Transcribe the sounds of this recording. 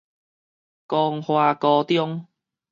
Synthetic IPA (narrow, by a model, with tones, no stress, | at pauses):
kɔː˧ŋhwaː˧kɔː˧t̪jʊ˥ŋ